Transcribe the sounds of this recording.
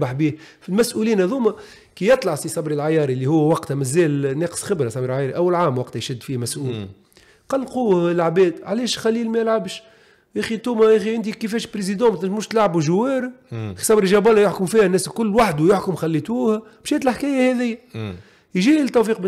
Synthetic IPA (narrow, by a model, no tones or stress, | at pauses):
baħbiːfilmæsʔuliːnhæðuːmæ | kijɑt̪ˤlɑʕfisˤɑbɾilʕajɑːɾˤilːihʊwːwɑqt̪mæzɛːlnɛːqə̥sxɪbɾasæmiːɾʕajɑːɾiʔæwːælʕaːmwɑqt̪jʃɪd̪ːfiːmæsʔuːl | qɑlːquːhɪlʕbɛːd̪ʕalɛːʃxælːiːlmæjɪlʕabʃ | ʔæːxit̪uːmæʔæxiʔɪnt̪ikifɛːʃpɾezid̪ɑ̃mæt̪lmʊːʃt̪lʕabuʒʊwːɛːɾiisˤɑbɾiʒɑbɑlːajʊħkʊmfiːhænːɛːskʊlːwaħd̪ujʊħkʊmxælːit̪uːhæ | b̥ʃæːt̪əlħkɛːjæhɛðɪjːæ | jʒiːt̪ːæfiːq̚b